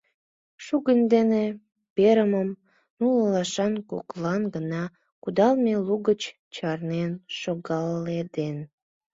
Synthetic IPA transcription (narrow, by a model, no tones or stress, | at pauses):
ʃuɣənd̪ene | peɾəməm | nulɑlɑʃɑnko̰klɑnɡənɑ | kud̪ɑlmeluɣət͡ɕ | t͡ɕɑrnenʃoɣɑlːed̪en